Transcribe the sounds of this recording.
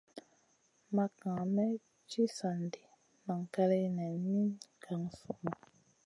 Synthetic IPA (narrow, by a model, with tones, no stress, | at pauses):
ma˨kã˨mɛ˦ | t͡ʃi˦sa˨ndi˨ | ma˨ŋ˨ka˦lɛ˦nɛ˨mi˦nkʰa˨ŋ˨fu˨ma˨